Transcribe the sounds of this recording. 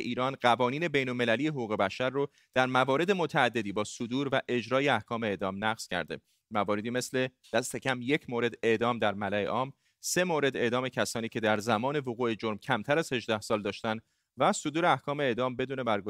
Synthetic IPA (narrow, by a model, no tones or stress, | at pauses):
ʔiːɾɒːnɢævɒːniːne̞be̞jnolme̞lælijeɦoɣuːɣe̞bæʃæɾːo | d̪̥æɾmævɒːɾe̞d̪e̞mot̪ʰæːd̪ːe̞d̪iːbɒːsod̪uːɾvæʔe̞d͡ʒɾɒːjeæhkʰɒːme̞eːd̪ɒːmnæɣz̥cʰæ̰ɾd̪e̞ | mævɒːɾe̞d̪iːme̞sle̞ | d̪̥æst̪e̞cʰæmje̞cʰmoːɾe̞d̪e̞ʔd̪ɒːmd̪æɾmælæḛʔɒːm | se̞moːɾe̞d̪e̞ʔd̪ɒːme̞cʰæsɒːniːcʰe̞d̪æɾzæmɒːne̞voɣuːe̞d͡ʒoɾmcʰæmt̪ʰæɾæz̥he̞ʒd̪æhsɒːld̪ɒːʃt̪ænd̪ | væsod̪uːɾeæhkʰɒːme̞eːd̪ɒːmbe̞d̪uːne̞bæɾɡo